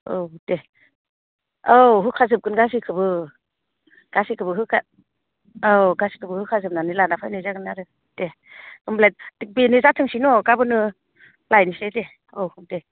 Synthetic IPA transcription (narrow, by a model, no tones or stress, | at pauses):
owde | oɦɯkʰazɯp̚kɯnɡas̬ikʰɯbɯ | ɡ̥asikʰɯbɯɦɯkʰa | oɡasi̥kʰɯbɯhɯkʰazɯp̚nanilanapʰajnɯzaɡɯnaɾɯ | d̥e | ɯmblajdik̚binizatʰɯŋsinɔɡabɯnɯ | lajnisejde | owhɯmde